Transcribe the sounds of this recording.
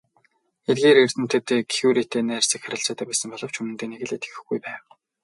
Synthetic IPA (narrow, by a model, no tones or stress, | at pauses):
et̪̚ɡeːɾer̥t̪ɘ̆n̥t̪ʰɘ̆t̪ːkʰuːɾit̪eːnæːr̥sĭkχaɾʲə̆ɬt͡saːt̪ʰæːpæːsə̆mpɔɮɞ̆w̥t͡ɕʰɵmɘ̆nt̪eːneɣɘ̆ɮet̪ɡɘ̆xɡujpæːw